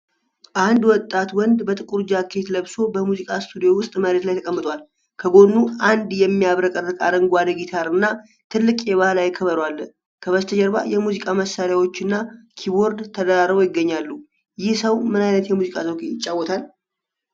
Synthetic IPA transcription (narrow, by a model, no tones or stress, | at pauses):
ʔand̪wɔt̪ʼːat̪wɔnd̪bət̪ʼɨkʼuɾd͡ʒakʰːe̞t̪ləβso̞bəmuzikʼast̪ʰud̪ijo̞wʊst̪ʼməɾet̪lajt̪ʰəkʼəmːɨt̪ʼwal | kʰəɡo̞nːuand̪jɛmːijaβɾəkʼərːɨkʼa̰ɾəŋɡʷad̪əɡit̪ʰaɾɨnːa | t̪ʰɨlːɨkʼjɛβahlajɪkʰːəβəɾwalːə | kʰəβəst̪ʰəd͡ʒəɾba̰jɛmuzikʼaməsːaɾjawo̞t͡ʃːɨnːakʰiβo̞ɾd̪t̪ʰəd̪əɾaɾβojɪɡːəɲːalːu | jɪhsəwmɨnajnət̪jɛmuzikʼazəkʰejɪt͡ʃʼːawːɔt̪ʰal